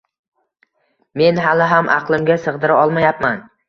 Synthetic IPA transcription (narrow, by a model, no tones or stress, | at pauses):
me̞nɦalɪɦamʔɑ̰qlˠɪmɡʲasɨʁd̪ɪɾaɒlˠmajapman